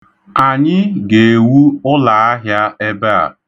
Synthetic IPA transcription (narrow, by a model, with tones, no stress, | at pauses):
a˨ɲɪ˦ɡe˨e˨wu˦ʊ˦la˨a˦ɦja˦e˦be˦a̰˨